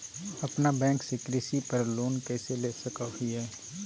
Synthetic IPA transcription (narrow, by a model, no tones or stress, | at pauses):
ɐpnabɛ̃ːŋksekɾɪsipəɾloːnkɛːseleːsəkaɦiɦɛː